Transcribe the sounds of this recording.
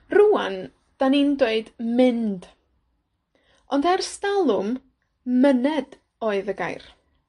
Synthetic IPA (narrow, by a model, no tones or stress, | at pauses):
ruan | d̥anindweɨdmɪnd̥ | ɔndarstalˠʊm | mənɛd | oːɨðəɡa̰jr